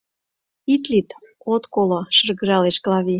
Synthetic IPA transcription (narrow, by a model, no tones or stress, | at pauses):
it̪lit̪ | ot̪koloʃərɣə̆ɾɑleʃklɑβi